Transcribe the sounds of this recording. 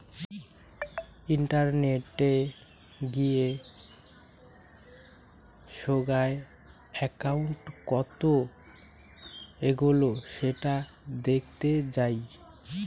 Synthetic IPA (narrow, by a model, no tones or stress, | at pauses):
iɳʈaɾneʈe | ɡije | ʃoɡae | ɛkauɳʈkɔt̪o | eɡuloʃeʈa | d̪ekʰt̪ed͡ʑaj